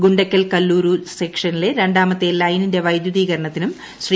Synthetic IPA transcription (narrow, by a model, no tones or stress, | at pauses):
ɡuɳɖɐkʲːɐlkɐlːuːɾusekʂɐnileɾe̞ɳɖaːmɐt̪ːelɐjninde̞ʋɐjd̪juðiːɣɐɾɐɳɐt̪ːinum | ɕri